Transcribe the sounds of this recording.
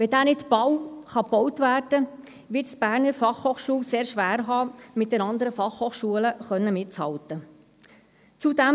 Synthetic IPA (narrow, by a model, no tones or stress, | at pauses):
ʋɛdæːnɪtb̥ɑwχɑpɔwtʋæːɾd̥ə | ʋɪtsb̥æːɾnəɾfɑχhoːχʃuːlseːɾʃʋæːɾɦɑːmɪt̚d̥ɛnɑnd̪əɾəfɑχhoːχʃuələχœnːəmɪtt͡shɑ̰ltə | t͡sudæm